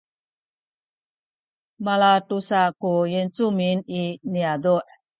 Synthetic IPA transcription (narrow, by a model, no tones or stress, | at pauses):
malatusakujent͡sumininiaduʔ